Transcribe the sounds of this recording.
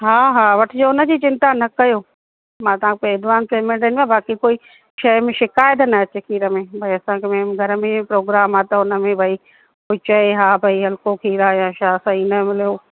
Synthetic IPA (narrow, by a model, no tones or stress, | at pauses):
ɦaːɦaːʋɐʈʰɪd͡ʑoːʊnə̆d͡ʑiːt͡ɕɪ̃nt̪anɐkɐjoː | mãːt̪ɐʋãkpeɪd̪ʋaːnpeːmẽɳʈɐnmãbaːkikoːi | ʃɐjmẽʃɪkaːjət̪nɐɐt͡ɕekʰiːɾəmẽbʱɐiɐsãkʰemẽːmɡʱɐɾəmẽpɾoːɡɾaːmat̪ɐʊnə̆mẽbʱɐi | koit͡ɕɐeɦaːbʱɐiɦɐlkokʰiːɾajãːʃasãiːnəmɪlijoː